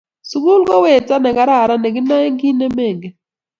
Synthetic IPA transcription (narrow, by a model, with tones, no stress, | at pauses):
su˨ɡu˦lkɔ˦we˦˨t͡sa˦nɛ˨ka˦ɾa˦˨ɾa˦nɛ˨ɡi˦na˦ŋɡi˦nɛ˦mɛ˦˨ŋɡɛ˨